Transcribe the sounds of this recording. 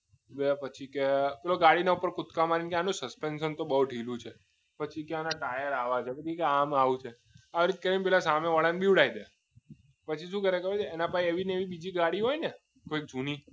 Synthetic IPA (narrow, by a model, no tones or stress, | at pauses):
bepət͡ʃʰikepeloɡaɽinaupəɾkʊt̪kamaɾinkeanũsəspenʃənt̪obəɦuɖʱilũt͡ʃʰe | pət͡ʃʰikeanaʈajəɾaʋat͡ʃʰepət͡ʃʰikeamaʋut͡ʃʰe | aʋɾit̪̚kəɾip̬ɛlasameʋəɭanbiʋɽaid̪e | pət͡ʃʰiʃũkəɾekəɾet͡ʃʰeːnapaĩeʋineʋibid͡ʒiɡaɽiɦojne | koik̚d͡ʒʱuni